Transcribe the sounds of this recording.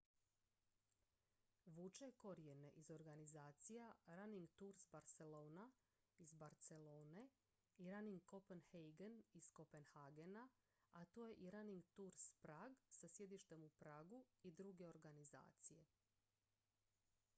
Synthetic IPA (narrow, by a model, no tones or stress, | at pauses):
ʋut͡ʃeko̞ɾijene̞ʔizo̞ɾɡanizaːt̪sijaɾaniŋɡt̪uɾsbaɾt̪se̞lo̞ːna | izbaɾt̪se̞loːne | iɾaniŋɡko̞penhejɡenisko̞penhaɡena | at̪oːje̞ʔiɾaniŋɡt̪uɾspɾaːɡsasje̞d̪iʃt̪e̞mupɾaːɡuid̪ɾuɡe̞o̞ɾɡaniza̰ːt̪sije̞